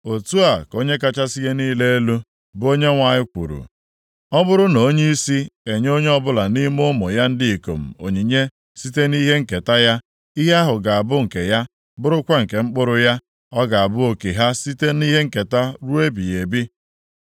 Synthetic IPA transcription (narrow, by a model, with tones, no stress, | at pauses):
o˨tu˦a˨ko˦ɲe˦ka˦t͡ʃa˦si˦je˦niː˦le˦e˦lu˦ | bʊ˦o˦ɲe˦ŋʷa˨ɲɪ˦kʷṵ˨ɾṵ˨ | ɔ˦bʊ˦ɾʊ˦no˨o˦ɲe˦i˦si˦e˨ɲ˦o˦ɲe˦ɔ˦bʊ˦la˨ni˦mʊ˦mʊ˨ja˦n̩˦dɪ˦i˨ko̰˨m̩˨o̰˨ɲi˨ɲe˦ | si˦te˦ni˦ɦe˦ŋ̩˨ke˨ta˦ja˦ | i˦ɦa˦ɦʊ˨ɡa˨a˨bʊ˦ŋ̩˨ke˨ja˦ | bʊ˦ɾʊ˦kʷa˦ŋ̩˨ke˨ŋ͡m̩˦k͡pʊ˦ɾʊ˦ja˦ | ɔ˦ɡa˨a˨bʊ˦o˨ki˨ɦa˦si˦te˦ni˦ɦe˦ŋ̩˨ke˨ta˦ɾu˦e˦bi˨je˨bi˦